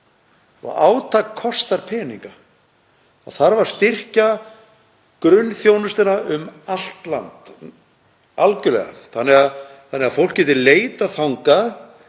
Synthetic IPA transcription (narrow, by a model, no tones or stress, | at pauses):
ɔ̰ɣaːwt̪ʰakʰɔst̪aɾpʰɛːniŋka | a̰θaɾvaɾ̥st̪ɪr̥ca | kɾʏnːθjownʏst̪ɪnaʔʏmal̥t̪la̰nt̪ | alcʏlɛ̰ɣa̰θanːɛɣaðθanːɪɣafowl̥kcɛːt̪ɪleːjt̪aθawŋkað